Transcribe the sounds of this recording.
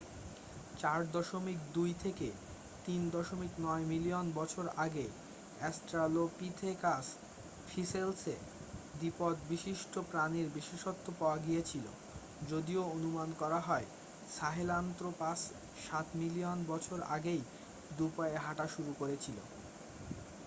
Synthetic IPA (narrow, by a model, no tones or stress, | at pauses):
t͡ɕaɾd̪ɔʃomikd̪ujt̪ʰeke | t̪ind̪ɔʃomiknɔemilionbɔt͡ɕʰoɾa̰ɡej | ɛsʈɾalopit̪ʰekas | fʰiselse | d̪ipɔd̪biʃiʃʈopɾaniɾbiʃeʃot̪ːopaoaɡijet͡ɕʰilo̰ | d͡ʑod̪ioonumankɔɾaɦɔe | ʃaɦelant̪ɾopas | ʃat̪milionbɔt͡ɕʰoɾa̰ɡej | d̪upaeɦaʈaʃuɾukoɾet͡ɕʰilo̰